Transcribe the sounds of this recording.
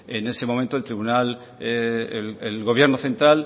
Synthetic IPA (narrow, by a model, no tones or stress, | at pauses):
ene̞se̞mo̞mẽnt̪olt̪ɾiβunal | elɣo̞β̞je̞ɾnoθe̞nt̪ɾal